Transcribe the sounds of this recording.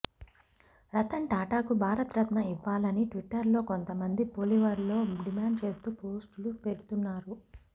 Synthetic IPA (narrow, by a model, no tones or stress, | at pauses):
ɾɐt̪ɐɳʈaːʈaːkubʱaːɾɐt̪ɾɐt̪nɐiʋːaːlɐniʈʋiʈːɐɾlo̞ːko̞nt̪ɐmɐnd̪ipoːliʋɐɾlo̞ːɖimaːɳɖt͡ʃe̞ːst̪uːpo̞ːsʈlupe̞ɾut̪unːaːɾu